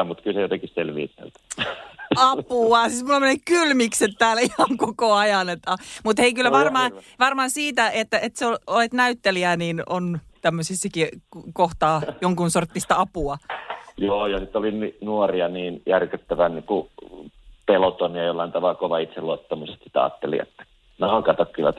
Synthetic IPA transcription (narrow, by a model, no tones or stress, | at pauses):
mut̪kylsejot̪eŋkisselʋḭːsḛlt̪ | ɑpuɑsismulːomenːekkylmikset̪t̪æːlihɑŋkokoɑjɑnet̪ːɑmut̪heikylːæʋɑrmɑːʋɑrmɑːsiːt̪æʔet̪ːæet̪seololet̪næyt̪ːeliænino̰n | t̪æmːøsisːɑkikoht̪ɑːjoŋkunsort̪ːist̪ɑɑpuɑjoːjɑsit̪ːˑolininuoriɑniːnjærkøt̪ːæʋænniːku | pelot̪oniɑjolːɑint̪ɑʋɑlkoʋɑit̪seluɑt̪ːɑmusest̪si̥t̪æɑ̰ːt̪ːelḭḛt̪ːæ̥ | nɑukɑt̪ɑkkylʋæt̪